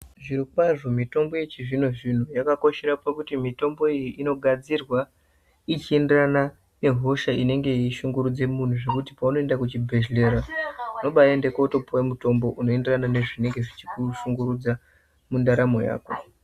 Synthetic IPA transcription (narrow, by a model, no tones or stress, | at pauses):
ʐiɾiwaʐo̞mito̞mbo̞jet͡ʃiʐin̤uʐin̤ujakako̞ʃe̞ɾapakutimito̞mbo̞ijiʔino̞ɡʱad͡zirwa | it͡ʃie̞nderana | ne̞ɦo̞ʃaine̞ŋɡe̞iʃuŋɡuɾud͡ze̞mun̤uʐe̞kutipauno̞e̞ndakut͡ʃibʱe̞ʒle̞ɾano̞ɓaendekautopʰowemuto̞mbo̞ʔuno̞e̞nderanane̞ʐine̞ŋɡe̞ʐit͡ʃikuʃuŋɡuɾud͡za | mundaɾamo̞̰ja̰ːko̞